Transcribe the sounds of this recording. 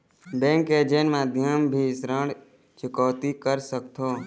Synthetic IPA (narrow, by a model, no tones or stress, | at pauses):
bɛ̃ŋked͡ʒenmaːd̪ʱjəmbʱisɾəɳ | t͡ʃʰɪkɔːt̪ikəɾsəkt̪ʰoː